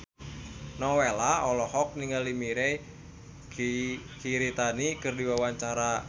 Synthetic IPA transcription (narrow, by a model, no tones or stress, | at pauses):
nɔwelaɔlɔhɔk̚niŋɡalimiɾɛ | kikiɾit̪anikɨrdiwawaɲt͡ʃaɾa